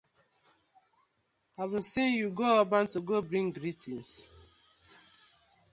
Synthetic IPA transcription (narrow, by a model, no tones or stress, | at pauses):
avĩnsinjuɡoabãntuɡobɾĩŋɡɾitʰĩns